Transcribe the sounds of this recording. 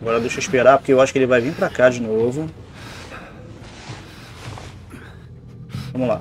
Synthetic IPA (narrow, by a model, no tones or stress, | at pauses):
aɡɔɾɐd̪eʃɐiʃpeɾapo̥keewaʃʊ̥kɪelɪvajvĩpɾakad͡ʒinovʊ | vɐ̃mʊla̰